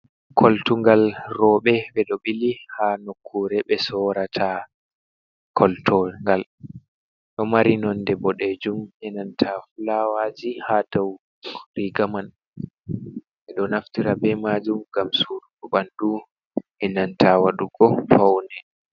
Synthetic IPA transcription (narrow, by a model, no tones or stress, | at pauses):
kʰɔltuŋɡalrɔɓɛbɛɗɔɓilihanokʰːuɾɛɓɛsɔɾatʰa | kʰɔltʰɔŋɡal | ɗɔmaɾinɔndɛbɔɗed͡ʒumɛnantʰafulawad͡ʒihadaw | ɾiɡaman | ɓɛɗɔnaftiɾabɛmad͡ʒumɡamsuɾuɗɔbandu | ɛnantʰawaɗuɡɔfawnɛ